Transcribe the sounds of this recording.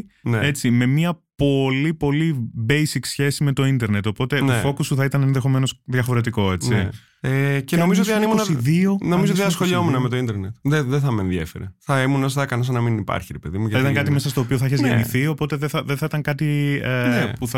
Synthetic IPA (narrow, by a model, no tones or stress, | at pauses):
nee̞t͡sime̞miɐpo̞lipo̞libe̞jsiksçe̞sime̞t̪o̞ind̪eɾne̞t̪o̞po̞t̪e̞ofo̞kusuθɐit̪ɐnenðexo̞me̞no̞sðʝɐfo̞ɾe̞t̪̬iko̞e̞t͡si | ecenomizoot̪iɐnimuɐiðio̞nomizot̪iɐsxoʎiomunɐme̞t̪oind̪eɾnet̪ðeðeθɐmnðjefeɾeθɐimunos̬t̪ɐkɐnos̬ɐnɐminipɐ̰ɾçiɾepe̞ðimuʝɐit̪ɐŋkɐt̪ime̞sɐst̪o̞ːpio̞θɐiçezʝeniθio̞po̞t̪eðeθɐðenθɐit̪ɐŋkɐt̪i | puθɐ